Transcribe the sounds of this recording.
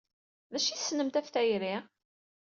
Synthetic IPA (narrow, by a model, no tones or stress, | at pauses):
ðæʃiθsːnəmt̪æfθæjɾi